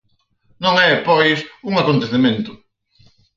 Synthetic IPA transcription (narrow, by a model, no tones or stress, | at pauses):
nõŋɛpɔjsuŋakont̪eθemẽnt̪ʊ